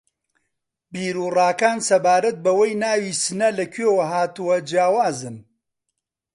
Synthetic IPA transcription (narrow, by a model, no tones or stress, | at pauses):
biːɾuːrɑːkaːnsɐbaːɾɐt̪̚bɐwɐjnaːwiːsɨnɐlɐkʰeːwɐɦaːt̪uwɐd͡ʒaːwaːzɨn